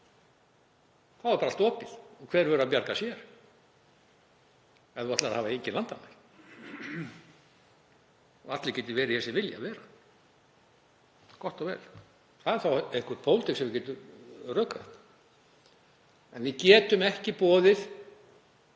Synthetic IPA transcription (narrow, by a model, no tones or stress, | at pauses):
θawɛɾpaɾalt̪ɔːpɪð̥ɔɣkʰvɛːɾvɛœɾʏapjaɾkasjɛɾ̥ | ɛðat̪laahaːvaeɲcɪlant̪amaɾ | ɔat̪lɪcɛːt̪ɪvɛːɾɪhɛsɪvɪlja̰vɛːɾa | kʰɔht̪ɔɣvɛ̰ːl | θaðɪɾ̥θawehŋkʏɾt̪pʰoːwlt̪ɪksɛmvɪcɛːt̪ʏrœːkaɛht̪ | ɛnvɪcɛːt̪ʏmɛhcɪpɔːðɪθ